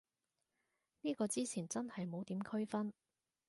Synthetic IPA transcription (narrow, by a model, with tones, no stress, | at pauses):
niː˥kɔː˧t͡siː˥t͡sʰiː˨˩nt͡sɐ˥nhɐ˨jmo˨˥wt̪iː˨˥mkʰɵ˥ɥfɐ˥n